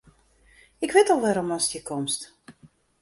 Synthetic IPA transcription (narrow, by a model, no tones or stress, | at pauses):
ɪkʋɪtɔlˠʋɛɾɔmɔnstəkɔmst